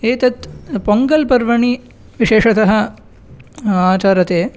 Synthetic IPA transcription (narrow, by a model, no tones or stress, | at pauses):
eːt̪ɐt̪poŋɡɐlpɐɾʋɐɳi | ʋiʃeːʂɐt̪ɐɦɐ̆ | aːt͡ʃaːɾɐt̪eː